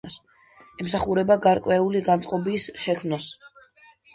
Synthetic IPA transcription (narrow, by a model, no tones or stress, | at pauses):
as | ɛmsaχuɾɛbaɡaɾkʼwɛuliɡant̪sʼqʼɔbisʃɛkʰmnas